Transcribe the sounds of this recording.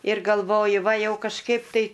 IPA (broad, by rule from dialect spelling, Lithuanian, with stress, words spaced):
ɪr ɡɐlˠˈʋoːjʊ ˈʋɐ ˈjɛʊ kɐʃˈkɐɪp tɐɪ